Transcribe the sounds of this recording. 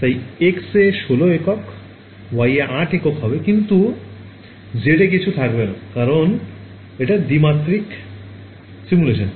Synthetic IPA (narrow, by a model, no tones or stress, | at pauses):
t̪ajekseʃoloekɔk | wajaʔaʈekɔkɦɔbekint̪u | d͡ʑeʈakit͡ɕʰut̪ʰakbena̰kaɾon | eʈad̪imat̪ɾik | simuleʃɔn